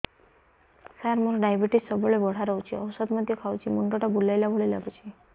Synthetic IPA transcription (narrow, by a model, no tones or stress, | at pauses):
saɾmɔɾɖajbiʈissɔbɔɭebɔɽ̤aɾɔɦt͡ʃʰiɔwsɔd̪mɔd̪jɔkʰawt͡ʃʰimuɳʈɔʈabulajlabʱoɭila̰ɡut͡ʃʰi